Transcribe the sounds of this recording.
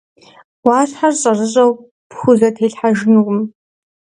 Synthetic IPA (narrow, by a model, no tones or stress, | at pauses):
wɑːɬħarɕʼɐrɨɕʼɐw | pxʷʊzɐtʰeːɬħaʒɪnɨʁʷʊm